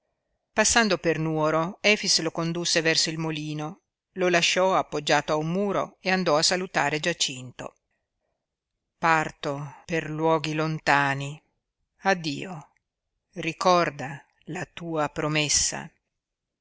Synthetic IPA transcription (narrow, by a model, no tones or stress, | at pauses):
pasːand̪opernuoɾoɛːfislokond̪usːevɛrsoilmoliːno | lolaʃːɔapːod͡ʒːaːt̪oaumːuːɾo̰eand̪ɔasːalut̪aːɾed͡ʒat͡ʃint̪o̰ | part̪operlwɔːɡilont̪aːni | ad̪ːḭːo | rikɔrd̪a | lat̪uːapɾomesːa̰